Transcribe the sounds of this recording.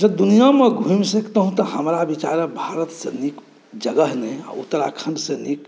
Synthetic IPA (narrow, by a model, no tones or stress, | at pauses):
d͡ʒəd̪unijameɡʱuimsikt̪əɦũt̪ɔhəmɾabit͡ʃaɾəbʱaɾət̪sẽnik | d͡ʒəɡəɦnɛa̰ṵt̪ːəɾa̰kʰənɖ̪sẽnik